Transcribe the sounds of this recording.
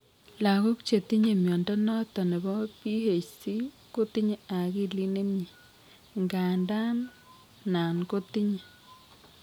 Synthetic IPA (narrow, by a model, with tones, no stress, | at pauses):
la˨ko˦kt͡ʃe˨ti˦ɲe˨mjɔ˨ndɔ˦nɔ˦tɔ˨ne˨bɔ˦pi˦he˨t͡ʃsi˦ | ko˦ti˦ɲe˨a˨ki˦li˦ne˦mɲi˨ | ŋɡa˨nda˦n | na˨nko˦ti˦ɲe˨